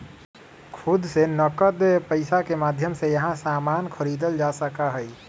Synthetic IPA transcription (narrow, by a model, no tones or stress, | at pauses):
kʰʊd̪senɔkət̪pəɪsakemaːd̪ʱjəmsejɐɦãsaːmaːnkʰəɾiːd̪əld͡ʒaːsəkaɦɛi